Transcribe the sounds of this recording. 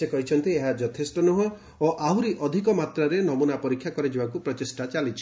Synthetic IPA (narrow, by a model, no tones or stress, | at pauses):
sekɔɦit͡ʃʰɔnt̪ieɦad͡ʒɔt̪ʰesʈɔnuɦɔ | oʔaɦuɾiʔɔd̪ʱikɔmat̪ɾɔɾenɔmunapɔɾikʰːjakɔɾid͡ʒibakupɾɔt̪isʈat͡ʃalit͡ʃʰi̥